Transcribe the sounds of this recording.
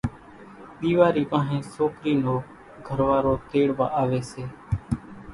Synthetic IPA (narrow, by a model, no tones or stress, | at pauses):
ɗ̪iːʋaːɾiːpãːɦẽːsoːkɾiːnoː | ɡʱəɾʋaːɾoːt̪eːɽʋa̰ːʔaːʋeːseː